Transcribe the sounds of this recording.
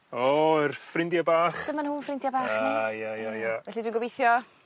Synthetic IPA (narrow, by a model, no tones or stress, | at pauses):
ɔɪrfrɪndjabaːχdəmanhuːnfrɪndjabaːanajajajavɛɬidwiːnŋɡɔbejθjɔ